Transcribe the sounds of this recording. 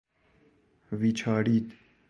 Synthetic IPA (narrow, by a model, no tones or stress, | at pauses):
ʋit͡ʃʰaːɾiːd̪